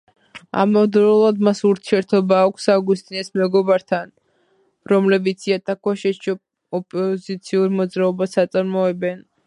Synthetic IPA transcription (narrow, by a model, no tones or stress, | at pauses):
a̰mɔd̪ɾulˠad̪masuɾt̪ʰiɛɾt̪ʰɔbaːkʷʰsaɡust̪ʼinɛsmɛɡɔbaɾt̪ʰan | ɾɔmlɛbit̪sʰiat̪ʼʰakʰwaʃɛʃ | ɔpʼɔzit̪sʰiuɾmɔd̪zɾaɔbasat̪sʼaɾmɔɛbɛn